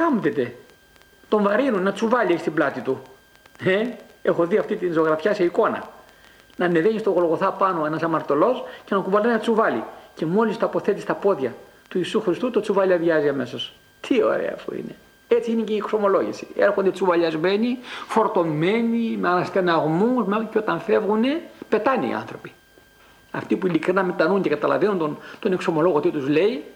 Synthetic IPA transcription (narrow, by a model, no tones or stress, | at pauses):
kɐmt̪et̪e̞ | t̪o̞ɱvɐɾinunːɐt͡suvɐʎieçist̪iblɐt̪it̪u | eexo̞ðiɐft̪it̪inso̞ɣɾɐfçɐse̞iko̞nɐ̰ | nɐneðeɲist̪o̞ɣolɣo̞θɐpɐnoenɐsɐmɐɾt̪o̞lo̞sce̞nɐkuvɐlonenɐt͡suvɐlḭce̞mo̞list̪ɐpo̞θet̪ist̪ɐpo̞ðʝɐ | t̪uiːsuxɾist̪ut̪ot͡suvɐʎiɐðɐziɐme̞so̞s | t̪ʰio̞̰ɾḛɐ̰ːfṵḭne̞ | e̞t͡siineceiːkso̞mo̞lo̞ʝḭsi̥eɾxond̪e̞t͡suvɐʎɐzme̞nifo̞ɾt̪o̞mːe̞nimeɐnɐst̪enɐɣmusmeceot̪ɐɱfe̞vɣune̞pe̞t̪ɐneḭɐ̰nθɾo̞pi̥ | ɐ̰ft̪ipuilikɾinɐmet̪ɐnuɲce̞kɐt̪ɐlɐ̰venunt̪ont̪o̞nekso̞mo̞lo̞ɣot̪it̪uzle̞i